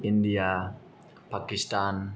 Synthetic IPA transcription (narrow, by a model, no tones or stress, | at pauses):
india | pakist̪an